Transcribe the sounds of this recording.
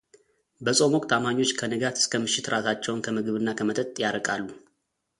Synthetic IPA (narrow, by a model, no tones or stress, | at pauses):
bəsʼo̞mwɔkʼt̪ʰamaɲːo̞t͡ʃːkʰənɨɡat̪ʰɨ̥skʰəmɨʃːɪt̪ɾʔasat͡ʃːɛwnkʰəmɨɡɨβɨnːakʰəmət̪ʼət̪ʼjaɾəkʼalːu